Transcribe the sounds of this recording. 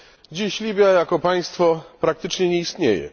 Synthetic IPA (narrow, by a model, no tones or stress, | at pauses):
d͡ʑiɕlʲibʲjajakɔpaj̃st̪fɔpɾak̚t̪ɘt͡ʂɲɛɲɛist̪ɲḛjɛ̰